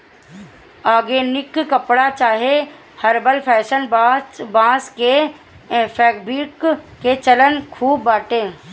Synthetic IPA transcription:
aːɡeːnɪkkəpɽat͡ʃaːɦe | həɾbəlpʰɛːʃənbãːske | pʰɛːk̚biːkket͡ʃələnkʰuːbːaːʈẽː

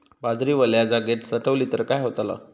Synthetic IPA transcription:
bad͡zɾiːʋəljad͡zaɡet̪səʈʰəʋliːt̪əɾkajɦot̪ala̰

